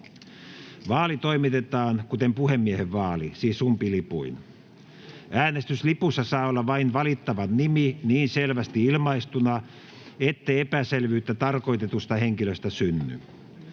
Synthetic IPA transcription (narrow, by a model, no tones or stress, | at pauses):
ʋɑːlit̪oimit̪et̪ɑːnkut̪empuhemːieheʋʋɑːlisiːsumpilipṵin | æːnest̪yslipusːɑsɑːolːɑʋɑinʋɑlit̪ːɑʋɑnniminiːnselʋæst̪iilmɑist̪unɑ | et̪ːeepæselʋyːt̪ːæt̪ɑrko̞ijt̪et̪ust̪ɑheŋkiløst̪æsynːy̰